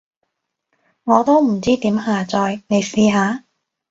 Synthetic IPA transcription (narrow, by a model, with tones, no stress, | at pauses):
ŋɔː˨˧t̪o˥wm̩˨˩t͡siː˥t̪iː˨˥mɦaː˨˧t͡sɔː˧jne˨˧jsiː˧ɦaː˨˧˥